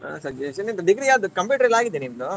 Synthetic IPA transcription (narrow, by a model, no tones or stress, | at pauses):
sɐd͡ʒeʃɐnint̪ɐd̪iɡɾijaːd̪ukɐmpjuːʈɐɾɐlaːɡid̪ːenimd̪o